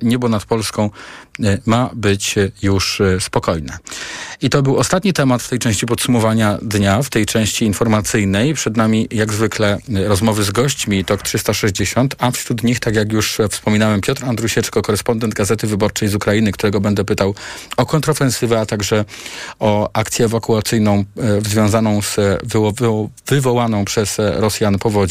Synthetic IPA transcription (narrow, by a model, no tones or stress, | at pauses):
ɲɛbɔnat̪pɔlskɔ̃w̃ | mabɘt͡ɕjuʂspɔkɔjnɛ̰it̪ɔbɘwɔst̪at̪ɲit̪ɛmat̪ft̪ɛjt͡ʂɛ̃w̃ɕt͡ɕipɔt̪sumɔvaɲad̪ɲaft̪ɛjt͡ʂɛ̃w̃ɕt͡ɕiːnfɔɾmat̪sɘjnɛjpʂɛd̪namʲijaɡzvɘklɛɾɔzmɔvɘzɡɔɕt͡ɕmʲit̪ɔkt̪ʂɘst̪aʂɛʑd͡ʑeɕɔnt̪afɕɾut̪ɲixt̪akʲjakjuʂfspɔmʲinawɛmpʲjɔt̪ɾand̪ɾuɕɛt͡ʂkɔkɔɾɛspɔnd̪ɛnd̪̚ɡazɛt̪ɘvɘbɔɾt͡ʂɛjzukɾajinɘk̚t̪uɾɛɡɔbɛnd̪ɛpɘt̪awɔkɔnt̪ɾɔfɛnsɘvɛat̪aɡʐɛɔakt̪sʲjɛːvakuat̪sɘjnɔ̃w̃zvʲjɔ̃w̃zanɔ̃w̃z̥v | vɘvɔwanɔ̃w̃pʂɛz̥ɾɔsʲjanpɔvɔd͡ʑ